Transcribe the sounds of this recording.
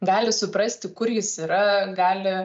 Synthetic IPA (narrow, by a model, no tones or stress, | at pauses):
ɡɑːlʲɪsʊpɾɐsʲt̪ʲɪkʊɾjɪsiːɾɐɡɑːlʲɪ